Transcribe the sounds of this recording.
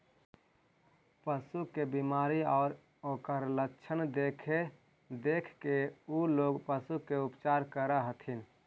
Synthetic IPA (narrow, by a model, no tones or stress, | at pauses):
pəsukebimaːɾiɔːɾ | oːkəɾləkt͡ʃʰənd̪ekʰe | d̪eːkʰkeuloːɡpəsukeʊpt͡ʃaːɾkəɾəɦət̪ʰin